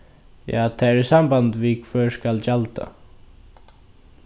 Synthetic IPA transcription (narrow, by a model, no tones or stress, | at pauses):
ja̰ːt̪ʰaɾɛsambant̪vikʰvœːɹskalt͡ɕalt̪a̰